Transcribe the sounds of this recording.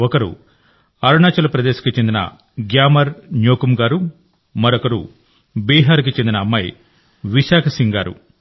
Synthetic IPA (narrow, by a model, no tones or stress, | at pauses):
ɔkɐɾṵ | ɐɾunaːt͡ʃɐlɐpɾɐd̪eːʃɐ̥kit͡ʃend̪inɐ̰ | ɡjaːmɐɾɲoːkumɡaːɾu | mɐɾɔkɐɾṵ | biːɦaːɾukit͡ʃend̪inɐːmːɐj | ʋiʃaːkʰɐsiŋɡaːɾṵ